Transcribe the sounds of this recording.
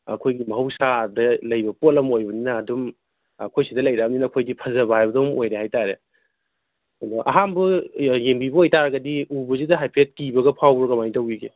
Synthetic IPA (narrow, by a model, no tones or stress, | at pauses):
ɐ̰kʰojɡimɐɦɐwsadɐlɐjbɐpolɐmojbɐninɐːdum | ɐ̰kʰojsidɐlɐjɾabɐninɐkʰojdipʰɐzɐbajbɐdomojɾeɦajtaɾe | mɐʔɐ̰ɦambɐjembibɐojtaɾɐɡɐdiubɐzidɐɦajpʰet̚kibɐɡɐpʰawɾɐkɐmajtɐwiɡe